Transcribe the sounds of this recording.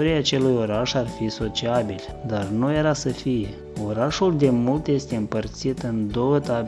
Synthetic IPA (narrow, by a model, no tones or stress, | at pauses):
oɾiaːt͡ʃe̞lujo̞ɾaʃarfiso̞t͡ʃiabilʲ | d̪arnuje̞ɾasəfije̞ | o̞ɾaʃuld̪e̞mult̪je̞st̪e̞ɨmpərt̪sit̪ɨnd̪o̞wət̪ab